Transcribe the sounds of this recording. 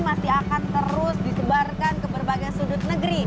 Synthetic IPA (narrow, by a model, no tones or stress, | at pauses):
masiakant̪əɾʊsdisəbarkankəbərbaɡasudʊt̪̚nəɡɾi